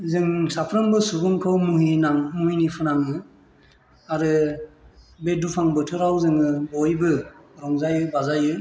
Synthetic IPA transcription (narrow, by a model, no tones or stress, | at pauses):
zɯŋsapʰɾɯmbɯsubuŋkʰɯwmuɦinaŋmuɦinipʰɯnaŋɯ | aɾɯ | bedupʰaŋbɯtʰɯɾawzɯŋɯbɔjbɯɾɔŋzajɯbazajɯ